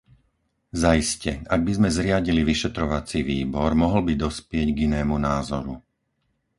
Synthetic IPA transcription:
zaiscɛaɡ̚bizmɛzɾɪaɟiliʋiʃɛt̪ɾɔʋat͡siʋiːbɔɾmɔɦl̩bid̪ɔspɪɛɟɡinɛːmunaːzɔɾu

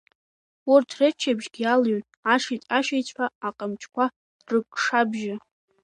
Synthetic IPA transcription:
urtʰret͡ʃʰabʒɡʲialɥn | aʂitʼaʃejt͡sʷʰʼaːqʼamt͡ʃʼʰkʷʰa | rɨkʼʂabʒɪ

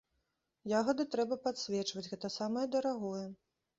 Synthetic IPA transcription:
jaɣɐd̪ɨt̪ɾɛbɐpat̪sʲvʲɛt͡ʂvɐd͡zʲɣɛt̪ɐsamɐjɐd̪ɐɾaɣɔjɛ

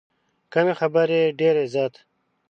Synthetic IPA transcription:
kɐnexɐbəɾeɖeːɾezjaːt̪

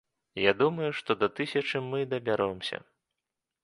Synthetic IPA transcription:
jad̪umɐjuʂt̪ɔd̪ɐt̪ɨsʲɐt͡ʂɨmɨd̪ɐbʲaɾɔmsʲɐ̰

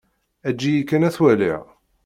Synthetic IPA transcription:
æd͡ʒːijikːənæθwælḭʁ

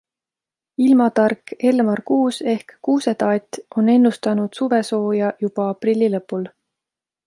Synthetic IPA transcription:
ilmɑt̪ɑrke̞lmɑrkuːse̞hkːuːset̪ɑːt̪ʲʔo̞ne̞nːust̪ɑnud̪̥suve̞so̞ːjɑjub̥ɑɑprilʲːilɤ̞pːˑul

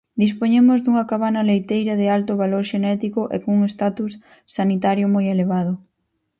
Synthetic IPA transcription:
d̪ispoɲemʊzd̪uŋɐkaβanɐlejt̪ejɾɐðɪalt̪ʊβaloɾʃenɛt̪ikʊʔḛkoŋuŋest̪at̪us | sanit̪aɾjomojeleβ̞að̞ʊ

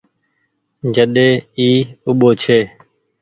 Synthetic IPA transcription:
d͡ʒəɗeːiːʊɓoːt͡ʃʰeː

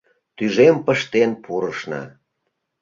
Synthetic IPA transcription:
t̪yʒempəʃt̪enpʰuɾəʃnɑ̰

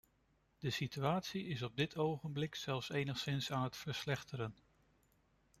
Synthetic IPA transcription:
d̥əsityaːtsiɪsɔb̚dɪtʰowχənblɪksɛlˠfsejnəχsɪnsaːnɦətfəɹslɛχtəɾən

